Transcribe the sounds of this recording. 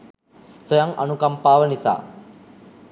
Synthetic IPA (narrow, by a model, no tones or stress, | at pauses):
sojaŋa̰nukampaːʋənisa̰ː